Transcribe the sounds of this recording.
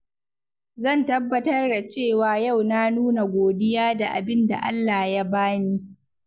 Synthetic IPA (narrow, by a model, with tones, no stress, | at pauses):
zɐ˦˨ntɐ˦bːɐ˦tɐ˦rda˨t͡ʃeː˦˨waː˨ja˦˨wna˦nuː˦na˨ɡʷoː˨dɪ˦jaː˦da˨ʔa̰˨bɪ˦nda̰˨ʔa̰˦lːaː˨ja˦baː˦niː˦